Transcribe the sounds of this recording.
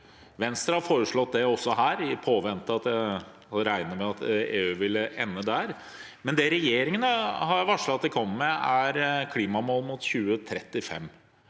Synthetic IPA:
ʋɛnst̪ɾɑhɑɾfoːɾəʂɭɔt̪̚d̪ɛɔsːɔɦæːɾɪpʰoːʋɛnt̪əɑt̪d̪ɛhɑɾæɪnəmɛɑt̪eːʉːʋɪlːəʔɛnːəd̪æɾ | mɛnd̪ɛɾɛjeːɾɪŋənəhɑɾʋɑʂɭɑɑt̪̚d̪ɛkʰɔmːmɛæɾkʰliːmɑmoːlmʊt̪çʉːət̪ʰɾɛt̪ːɪfɛ̰mː

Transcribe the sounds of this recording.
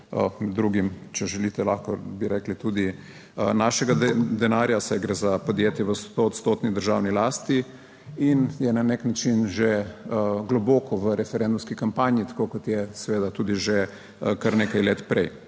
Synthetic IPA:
ə̰mɛd̪ːɾuɡimt͡ʃɛʒɛlit̪ɛlaxkɔbiɾɛklit̪ud̪i | ənaʃɛɡad̪ɛnaːɾjasajɡɾɛzapɔd̪jeːt̪jɛʋəst̪oːt̪st̪oːt̪nid̪əɾʒawnilaːst̪i | injɛnaneknat͡ʃinʒeəɡlɔbɔːkɔʋəɾɛfɛɾɛnd̪umskikampaːnjit̪ḁkokɔt̪jɛsɛʋeːd̪at̪uːd̪iʒe | kaɾnekajleːt̪pɾɛj

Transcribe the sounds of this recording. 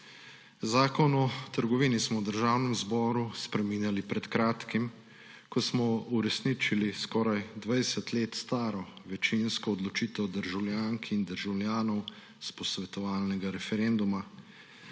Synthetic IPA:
zaːkɔnɔt̪əɾɡɔʋiːnismɔwd̪əɾʒaːwnɛmzbɔːɾuspɾɛmiːnjalipɾɛt̪kɾaːt̪kim | kɔsmɔuɾɛsniːt͡ʃiliskɔːɾajd̪ʋajɛsɛt̪leːt̪st̪aːɾɔʋɛt͡ʃinskɔːd̪lɔt͡ʃiːt̪ɛwd̪əɾʒawlʲjaːŋkʰind̪əɾʒawlʲjaːnɔw | spɔsʋɛt̪ɔʋaːlnɛɡaɾɛfɛɾɛnd̪uma

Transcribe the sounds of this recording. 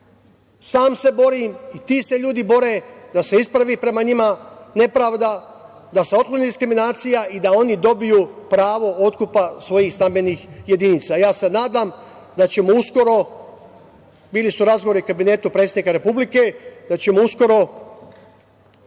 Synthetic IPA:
saːmse̞bo̞ɾimit̪iːse̞ʎuːd̪ibo̞ɾe̞d̪ase̞ispɾaʋiːpɾe̞maɲimane̞pɾaːʋd̪a | d̪ase̞ot̪klˠoniːd̪iskɾiminaːt̪sijaʔid̪ao̞nid̪o̞bijuːpɾaːʋo̞o̞t̪kupasʋo̞jiːxst̪ambeniːxje̞d̪init̪sajaːse̞naːd̪am | d̪at͡ɕe̞mousko̞ɾo̞ | biːlisuɾazɡoʋo̞ɾiukabine̞ːt̪upɾet̪sed̪nikaɾe̞publike̞d̪at͡ɕe̞mousko̞ɾo̞

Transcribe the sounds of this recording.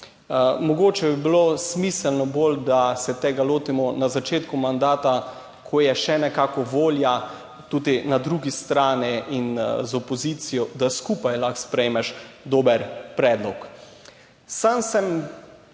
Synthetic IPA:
mɔɡoːt͡ʃɛbibilosmisɛlnɔbold̪asɛt̪eːɡaloːt̪imɔnazat͡ʃeːt̪kumand̪aːt̪a | kʰɔjɛʃɛnɛkaːkɔʋoːlja | t̪ud̪inad̪ɾuɡist̪ɾaːniʔinzɔpɔziːt̪sijɔd̪askuːpajlaxspɾɛjemɛʃd̪oːbəɾpɾɛːd̪lɔk | samsɛm

